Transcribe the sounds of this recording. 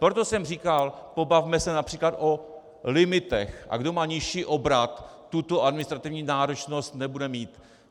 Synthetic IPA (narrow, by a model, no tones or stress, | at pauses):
pɾot̪o̞sɛmriːkalpo̞bavmɛsɛnapr̥iːklat̪ʔo̞ | lɪmɪt̪ɛxʔa̰ɡdo̞maːɲɪʃiːʔo̞bɾat̪ː | ut̪o̞ʔadmɪnɪst̪ɾat̪ɪvɲiːnaːɾo̞t͡ʃno̞st̪nɛbudɛmiːt̪